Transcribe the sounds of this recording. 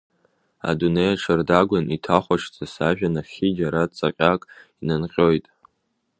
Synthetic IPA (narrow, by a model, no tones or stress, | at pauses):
a̰dune̞jaʈ͡ʂʰɨrdaɡʷanʔitʰaχʷaʂʰt͡sʼasaʒᶣanaχʲid͡ʒaɾat͡sʼaqʲʼakʼinɨnqʲʼo̞jtʼ